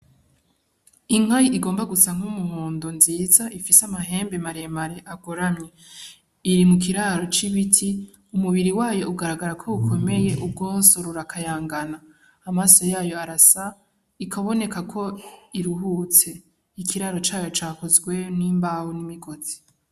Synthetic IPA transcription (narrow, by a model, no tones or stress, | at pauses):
iŋ̥ajiʔiɡo̞ːmbaɡut͡saŋ̥umuɦoːndo̞nziːzaʔifisamaɦe̞ːmbe̞maɾemaɾeʔaɡoɾamɲe̞ | iɾimuk̬iɾaɾo̞t͡ʃiβitʰi | umuβiɾiwaːjo̞ʔuɡaɾaɡaɾakʰo̞ukʰo̞me̞je̞ʔub̚ɡoːso̞ɾuɾakʰajaːŋɡanaː | masojaːjo̞aɾasa | ikʰaβo̞ne̞kakʰo̞iɾuɦut͡se̞ | ikʰiɾaɾo̞t͡ʃaːjo̞t͡ʃaːkozɡwe̞niːmbawonimiɡo̞z̥i̥